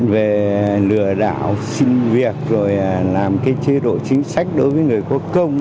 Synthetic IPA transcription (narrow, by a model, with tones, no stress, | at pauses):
ve˨˩lɨ˧˩əɗa̰ː˧˩wsi˧nvi˨˩ək̚zo˨˩jlaː˨˩mkaː˨˦jt͡ɕe˧ɗo̰˧˨t͡ɕï˨˦ŋ̟sa˦˥jk̟̚ɗo˨˦jvəː˨˦jŋɨ˨˩əjku˨˦əkːə˧wŋ͡m